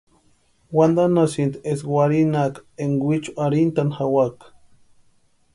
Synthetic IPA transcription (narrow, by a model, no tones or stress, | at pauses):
wand̪anasint̪eswʷaɾinakeŋwit͡ʃu̥aɾint̪anxawak